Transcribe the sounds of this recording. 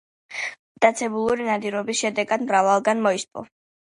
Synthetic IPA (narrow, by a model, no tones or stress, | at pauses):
d̪̥at̪sʰɛbulˠuɾinad̪iɾɔbisʃɛd̪ɛɡad̪mɾavalˠɡanmɔispʼɔ̰